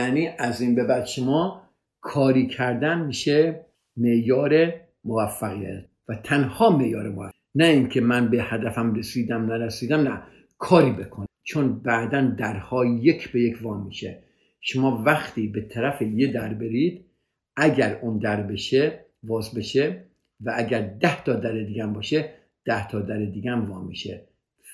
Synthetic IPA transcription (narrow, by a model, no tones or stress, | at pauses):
jæniːʔæziːnbe̞bæd̪ʃomɒː | kʰɒːɾiːkʰæɾd̪ænmiːʃe | meʔjɒːɾe | movæfːæɣijæ̰t̪ | væt̪ʰænhɒːmeʔjɒːɾemo | næiːŋkʰe̞mænbe̞hæd̪æfæmɾesiːd̪æmnæɾesiːd̪æmnæ | kʰɒːɾiːbekʰont͡ʃʰonbæʔd̪ænd̪æɾhɒːjekʰbe̞jekʰvɒːmiːʃe | ʃomɒːvæχt̪iːbet̪ʰæɾæfejed̪æɾbeɾiːd̪ | æɡæɾuːnd̪æɾbe̞ʃe | vɒːzbe̞ʃe | vææɡæɾd̪æht̪ʰɒːd̪æɾed̪iːɡæmbɒːʃe | d̪̥æht̪ʰɒːd̪æɾed̪iːɡæmvɒːmḭːʃḛ